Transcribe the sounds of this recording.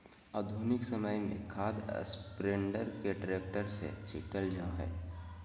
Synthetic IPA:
aːd̪ʱunɪksɐməjmḛ̃kʰaːd̪̰spɾẽːɳɖəɾkeʈɾeːk̚ʈəɾsḛt͡ʃʰɪ̰ʈəld͡ʒãɦɛ̰ː

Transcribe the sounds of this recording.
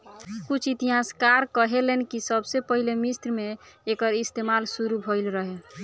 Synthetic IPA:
kut͡ʃʰit̪iɦaskaɾkəɦelenkisəbsepəɦilemist̪ɾmeːkəɾist̪emalsuɾubʱoɪlɾəɦe

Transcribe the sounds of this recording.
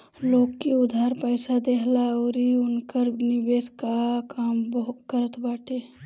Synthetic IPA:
loːɡkiʊd̪ʱaɾpəjsad̪eɦlaoːɾiʊnkəɾnɪbeːskakaːmbəɦkəɾət̪baːʈe

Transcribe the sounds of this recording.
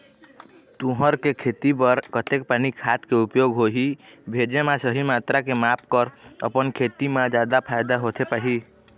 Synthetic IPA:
t̪ũɦəɾkekʰet̪ipəɾkət̪ek̚panikʰat̪keupjoɡɦoɦibʱed͡ʒemasəɦimat̪ɾakemapkəɾə̰pənkʰet̪imẽd͡ʒad̪apʰaɪd̪aɦot̪ʰepaɦi

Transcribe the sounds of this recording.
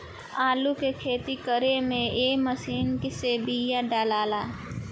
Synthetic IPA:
aːlukekʰeːt̪ikəɾemẽeːməsiːnkiseːbijaɖaːlaːlaː

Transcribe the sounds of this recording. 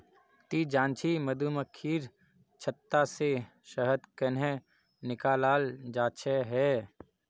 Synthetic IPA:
t̪id͡ʒãːnt͡ʃʰiməd̪uməkʰːiːɾ | t͡ʃʰət̪ːase | ʃəɦəd̪kənɦẽ | nɪkaːlaːld͡ʒaːt͡ʃʰeɦɛː

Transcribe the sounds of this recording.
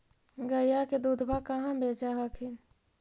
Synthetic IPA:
ɡəjaked̪uːd̪ʱbʱakəɦãbʱeːd͡ʒaɦakʰe

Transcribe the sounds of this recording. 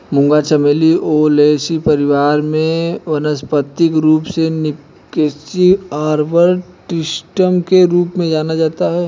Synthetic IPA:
mʊ̃ŋɡat͡ʃəmeːliʔoleːsipəɾɪʋaːɾmẽʋɐnəspət̪ːɪkɾuːpsenɪ | kesiaːɾʋəɾʈɪsʈəmkeɾuːpmẽd͡ʒaːnad͡ʒaːt̪aɦɛː

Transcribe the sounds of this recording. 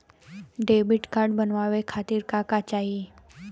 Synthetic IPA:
ɖebiʈkaɾɖbənʋaʋekʰat̪iːɾkakat͡ɕaɦi

